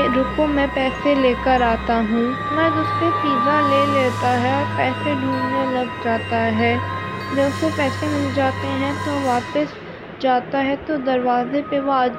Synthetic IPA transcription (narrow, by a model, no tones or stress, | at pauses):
ɾʊkõmɛ̃pɛːseleːkəɾaːt̪aɦũː | mɛ̃ːdʊspepiːzaleːleːt̪aɦɛɔːɾpɛːseɖʱũːlnelɐɡd͡ʒaːt̪aɦɛːd͡ʒɐbsopɛːsemɪld͡ʒaːt̪eɦɛ̃t̪oʋaːpəs | d͡ʒaːt̪aɦɛt̪od̪ɐɾʋaːzepeʋaːd͡ʒ